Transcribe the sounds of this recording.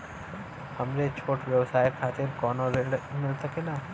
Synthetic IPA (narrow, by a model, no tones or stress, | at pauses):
hɐmɾet͡ʃʰoːʈʋjəwsaːjkʰaːt̪ɪɾkɔːnoɾeːɽmɪlsəkelaː